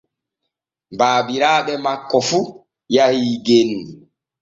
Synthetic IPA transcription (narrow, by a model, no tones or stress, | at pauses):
mbaːbiɾaːɓɛmakːɔfu | jahiɡenːi